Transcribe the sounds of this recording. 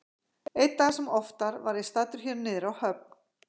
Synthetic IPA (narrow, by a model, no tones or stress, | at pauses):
ejt̪ːaɣasɛmɔft̪aɾvaɾist̪aːt̪ʏɾ̥çɛɾnɪːðɪɾawhœp̚n̥